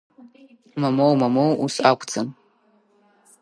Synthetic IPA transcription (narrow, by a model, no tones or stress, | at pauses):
mɐmowmɐmowusakʷʰʼt͡sʰam